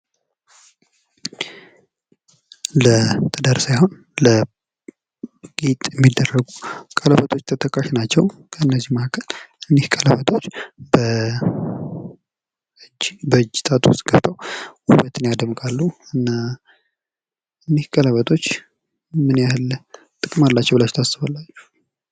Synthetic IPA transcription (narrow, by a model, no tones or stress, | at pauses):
lət̪ʰəd̪aɾsajho̞n | lə | ɡit̪ʼjɛmːid̪ːərːəɡukʼələβət̪ʰʼo̞t͡ʃːt̪ʰət̪ʰʼəkʼaʃinat͡ʃːɛwkʰəɨnːəzːihmahkʰəlʔɨnːehkʼələβət̪ʰʼo̞t͡ʃːbə | bəɨd͡ʒːit̪ʼat̪ʰʼust̪ɡ̥əft̪ʼʰawwuwət̪ʰɨnejad̪əmkʼalːuɨnːa | ɨnːehkʼələβət̪ʼʰo̞t͡ʃː | mɨnjahɨl | t̪ʼɨkʼɨmalːat͡ʃːɛwbɨlat͡ʃːt̪ʰasːɨβalːat͡ʃːɛ̥